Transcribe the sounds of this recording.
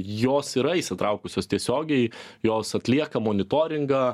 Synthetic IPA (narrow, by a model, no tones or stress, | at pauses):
joːsiɾɐisʲɪt̪ɾɐʊkʊsʲoːst̪ʲiɛsʲoːɡʲɛɪjoːsɐt̪ʲlʲiɛkɐmoːnʲɪt̪oːɾʲɪŋɡɐː